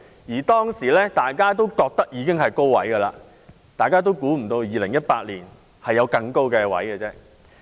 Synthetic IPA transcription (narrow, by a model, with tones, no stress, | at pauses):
jiː˨˩t̪ɔː˥ŋsiː˨˩lɛː˥t̪aː˨jkaː˥t̪o˥wkɔː˧k̚t̪ɐ˥k̚jiː˨˧kɪ˥ŋɦɐ˨jko˥wwɐ̰˨˥jɡɐ˧laː˧ | t̪aː˨˩jkaː˥t̪̬o˥wkuː˨˥m̩˨˩t̪o˧wjiː˨lɪ˨˩ŋjɐ˥t̚paː˧˥t̚liː˨˩n | hɐ˨jːɐ˨˧wkɐ˧ŋko˥wkɛː˧wɐ̰˨˥jɡɛ˧t͡sɛː˥